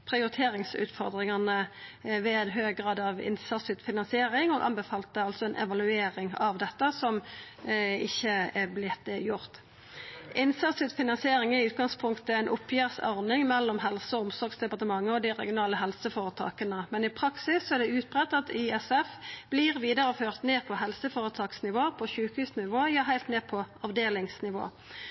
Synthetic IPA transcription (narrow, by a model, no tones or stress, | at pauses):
pʰʁɪʊɾɪt̪ʰeːɾɪŋsʉ̰ːt̪fɔʁd̪ʁɪŋɑnəʋeːd̪ɦøːɡʁɑːd̪ɑʋɪ̰nsɑsʏt̪fɪnɑnsɪeːɾɪŋɔ̰ɡʔɑ̰nbəfɑːlt̪əɑlt̪sɔɛnʔɛ̰ʋɑlʉeːɾɪŋɑʋd̪ɛt̪ːəsɔm | ɪçːəɛblɪt̪̚d̪əjʊʁt̪ | ʔɪnsɑsɪt̪fɪnɑnsɪeːɾɪŋæɪʉːt̪̚ɡɑŋspʰʊŋkt̪əɛɪnʔʊpʰːjæːʁsɔ̰ʁnɪŋmɛlːɔmɦɛlsəɔʊmsɔɾɡsd̪ɛpɑʁt̪əmɑŋːəɔd̪ɪʁɛ̰ɡɪʊnɑːləɦɛlsəfoːʁət̪ʰɑ̰ːkənəmɛnɪpʰɾɑksɪsːɔæʁd̪ɛʉːt̪̚bʁɛt̪ːɑt̪ʰɪɛsɛfb̥liʁʋiːd̪əɾəføːʁt̪neːpʰɔɦɛlsəfoːʁət̪ʰɑːksnɪʋoːpʰɔçʉːkhʉːsnɪʋoːjɑːɦæɪlt̪neːpʰɔɑʋd̪eːlɪŋsnɪʋo̰ː